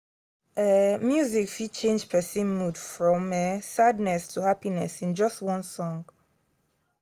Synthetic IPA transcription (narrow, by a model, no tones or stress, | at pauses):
ɛmjuzikfit͡ʃʰẽnd͡ʒpʰɛsĩnmudfɹɔ̃mɛsadnɛstʰuhapinɛsĩnd͡ʒɔstwɔ̃nsɔ̃ŋɡ